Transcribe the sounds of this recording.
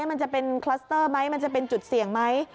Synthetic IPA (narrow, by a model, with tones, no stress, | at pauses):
ma˧nt͡ɕa˨˩pe˧nkʰla˦˥st̪ɤː˥˩ma˦˥jma˧nt͡ɕa˨˩pe˧nt͡ɕu˨˩t̪̚si˨˩˦əŋma˦˥j